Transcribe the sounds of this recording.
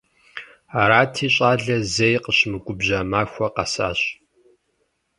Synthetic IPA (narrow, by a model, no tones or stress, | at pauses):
aɾaːtʰiːɕʼaːɮɐzɐjqəɕmɨkʷʼʊbʑaːmaːxʷɔqɐ̰sa̰ːɕʼ